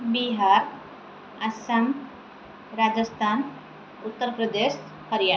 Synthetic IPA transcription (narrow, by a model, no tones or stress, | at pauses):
biɦaːɾ | ɐsɐm | ɾad͡ʒəst̪ʰaːn | ut̪ːəɾpɾəd̪eːʃ | həɾja